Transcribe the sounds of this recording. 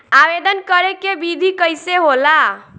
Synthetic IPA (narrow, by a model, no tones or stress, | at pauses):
abed̪ənkəɾekebid̪ʱikəjseɦola